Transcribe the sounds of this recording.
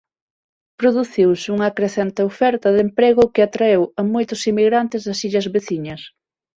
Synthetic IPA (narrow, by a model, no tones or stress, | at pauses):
pɾoðuθiwsuŋɐkɾeθɛnt̪ɪofɛɾt̪ɐðempɾeɣʊkɪat̪ɾaewɐmojt̪ʊsimiɣɾant̪ɪzðɐsiʎɐzβeθiɲɐs